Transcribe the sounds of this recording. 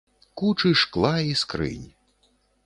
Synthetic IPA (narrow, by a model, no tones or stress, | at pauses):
kut͡ʂɨʂklˠaiskɾɨ̰nʲ